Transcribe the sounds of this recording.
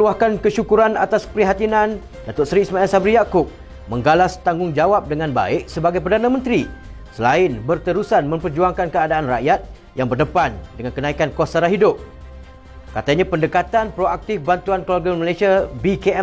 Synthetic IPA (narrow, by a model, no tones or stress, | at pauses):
luahkankəʃukuɾana̰t̪aspəɾiɦat̪inãn | dat̪ʊt̪̚sɾiːsmãɛlsabɾihjakʊp̚ | mə̃ŋɡalast̪aŋɡʊŋd͡ʒawap̚dəŋãnba̰ɪk̚səbaɡajp̬ərdanãmə̃nt̪ɾi | səlaɪnbərt̪əɾusanmə̃mpərd͡ʒuaŋkankəadaːnraʔjat̪̚ | jaŋbərdəpandəŋãnkənãikankwasaɾaɦidʊp̚ | kat̪aɲãpəndəkat̪anpɾoak̚t̪ɪfbant̪uanklarɡaməlasiabikeɛ